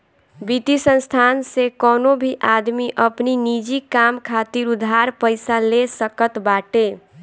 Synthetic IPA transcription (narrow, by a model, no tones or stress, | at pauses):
bit̪isə̃nst̪ʰansekɔnobʱiʔad̪miʔəpninid͡ʒikamkʰat̪iɾud̪ʱɦaɾpəɪsalesəkət̪baʈe